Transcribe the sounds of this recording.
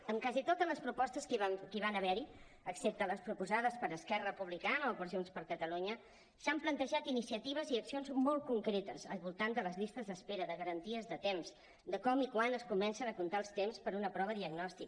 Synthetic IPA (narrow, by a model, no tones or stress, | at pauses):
əmkazit̪ot̪ələspɾupɔst̪əskkiβ̞anəβɛɾi | əksep̚t̪ələspɾupuzaðəspəɾəskɛrəəpuβlikanəopəɾzjonspəɾkət̪əluɲə | samplənt̪əʒat̪inisiət̪iβ̞əziəksionzmɔlˠt̪̚kuŋkɾet̪əzəlˠβulˠt̪and̪ələzʎist̪əzðəspeɾəðəɣəɾənt̪iəzðət̪emz̥ | d̪əkɔmikwanəskumɛnsənəkunt̪aəlˠst̪emspəɾunəpɾɔβ̞əðiəɡnɔst̪ik̚